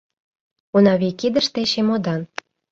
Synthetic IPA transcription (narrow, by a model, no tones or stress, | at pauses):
unɑβikid̪ə̆ʃt̪eɕemod̪ɑn